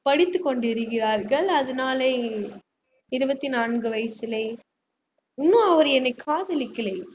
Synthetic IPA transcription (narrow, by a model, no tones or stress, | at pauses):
pɐɽɪt̪ːɯkːɔɳɖɪɾɯɣɪraːɾɣɐɭɐðɐnaːle | ɪɾɯbɐt̪ːinaːɳɡɯʋɐjsɪlɐɪ | ʊnːɐ̃ɐʋɐɾɛnːɐɪkʰːaːðɐlɪkːɪlɐː